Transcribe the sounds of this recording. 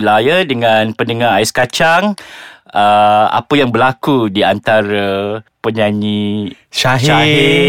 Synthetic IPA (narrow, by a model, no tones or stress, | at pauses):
lajadəŋãnpəndəŋaaɪskat͡ʃaŋ | əa̰pəjaŋbəlakudiant̪aɾapəɲãɲĩʃaɦʃaɪ